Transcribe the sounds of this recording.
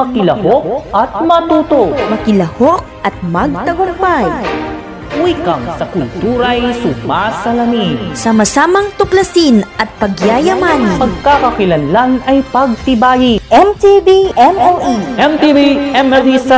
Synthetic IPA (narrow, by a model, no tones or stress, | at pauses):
mɐkɪlɐhok̚ʔɐt̪̚mɐt̪uːt̪ok̚mɐkɪlɐhok̚ɐt̪̚mɐɡ̚t̪ɐɡʊk̚baj | wiːkɐŋsɐkʊlt̪uːɾɐjsʊmasɐlɐminsɐmɐsaːmɐŋt̪ʊklɐsinʔɐt̪̚pɐɡjaːjɐmanpɐɡ̚kakɐkɪlɐnlanɐjpɐɡ̚t̪ɪbaːjiʔɛmt̪ibiʔɛmɛlʔiʔɛmt̪ibiʔɛmɛlisɐ